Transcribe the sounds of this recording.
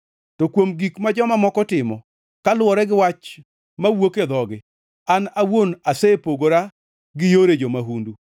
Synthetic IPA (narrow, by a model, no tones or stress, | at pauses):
tɔkwomɡikmad͡ʒɔmamɔkɔtɪmɔ | kalwɔɾɛɡɪwat͡ʃ | mawoked̪ɔɡɪ | anawonasepoɡoɾa | ɡɪjoɾed͡ʒɔmaɦundu